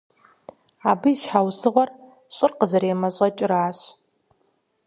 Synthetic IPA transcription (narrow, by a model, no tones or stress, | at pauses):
aːbɨʃħawsɨʁʷɔr | ɕʼɪrqəzɐɾeːmɐɕʼɐt͡ʃʼɪɾaːɕ